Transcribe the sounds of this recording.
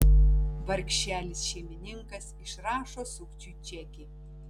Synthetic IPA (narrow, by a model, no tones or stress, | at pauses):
ʋɐɾʲkʲʃʲæːlʲɪsʃʲɛmʲɪnʲɪŋkɐsɪʃɾɑːʃoːsʊkt͡ʃʲuːt͡ʃʲɛkʲɪ